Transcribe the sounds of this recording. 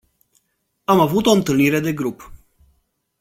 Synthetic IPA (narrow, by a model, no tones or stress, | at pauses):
amavut̪o̞ɨnt̪ɨlniɾe̞d̪e̞ɡɾup